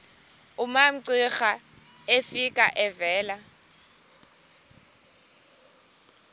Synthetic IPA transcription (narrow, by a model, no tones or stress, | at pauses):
ʊmam̩ǀɪχa | efikʼaʔɛvɛːla